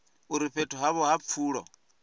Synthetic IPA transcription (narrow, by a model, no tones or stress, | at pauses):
uɾiɸetʰuɦaβɔhafuːɺɔ̰